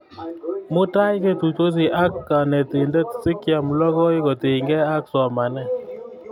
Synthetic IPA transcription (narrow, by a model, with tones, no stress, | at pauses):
mʊ˦ta˦jke˦tu˨to˦s̬i˨ʔa˦kːa˨nɛ˨tɪ˨ndɛ˦ksɪ˦kja˨mlɔ˦kɔ˦ɪ˦kɔ˨te˨ŋɡɛ˦a˦ksɔ˨ma˨nɛ˦